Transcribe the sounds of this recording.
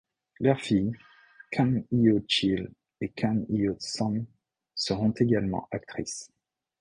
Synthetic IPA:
lœʁfij | kʰanijot͡ʃil | ekʰanijosɔn | səʁɔ̃t̪eɡalmɑ̰̃ʔak̚t̪χis

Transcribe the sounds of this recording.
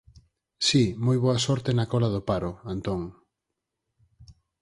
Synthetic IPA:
simojβoasɔɾt̪enakɔlaðopaɾʊant̪ɔŋ

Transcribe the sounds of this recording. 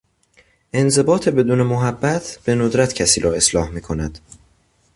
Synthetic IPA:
ʔe̞nze̞bɒːt̪ʰe̞be̞d̪uːne̞moɦæbːæt̪ʰb̥e̞nod̪ɾæt̪ʰcʰæsiːɾɒːe̞slɒːhmiːkʰo̞næd̪̥

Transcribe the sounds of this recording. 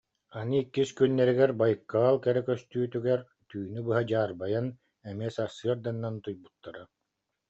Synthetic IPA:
anɯikːiskynːɛɾiɡɛɾbajkːaːlˠkɛɾɛkœst̪yːt̪yɡɛɾ | t̪yːnybɯɦad͡ʑaːɾbajan | ɛmiɛsasɯɐɾd̪anːant̪ujbut̪ːaɾa

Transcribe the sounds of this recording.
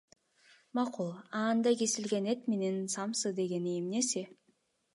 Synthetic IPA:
mɑqulˠɑːnd̪ɑkesilɡenet̪menensɑmsɯd̪e̞ɡe̞niːmnesi

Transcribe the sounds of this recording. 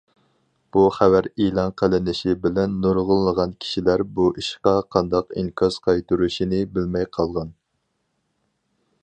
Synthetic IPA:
b̥uχævæɾilˠɑnqʰəlɪnɪʃibɪlɛnːoɾʁʊlˠːəʁɑnkʲʰi̥ʃilæɾbuʔiʃqɑqʰɑnd̪ɑqiŋkʰɑz̥qʰɑjt̪uɾuʃinɪbɪlmɛjqʰɑlˠʁɑn

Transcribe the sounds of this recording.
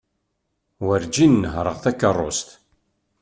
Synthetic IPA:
wəɾd͡ʒinːəɦɾˤəʁθækːərˤːo̰st̪

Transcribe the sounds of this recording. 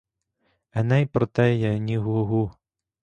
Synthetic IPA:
ɛnɛjpɾɔt̪ɛjɐnʲiɦuɦu

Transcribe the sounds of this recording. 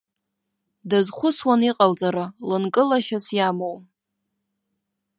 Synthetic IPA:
dazχʷʊswaniqʼalt͡sʼaɾalɨnkʼɨlaʃasjamow

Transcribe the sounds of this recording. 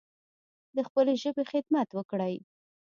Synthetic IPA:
d̪əxpəleʒəbexɪd̪mat̪wəkɽəj

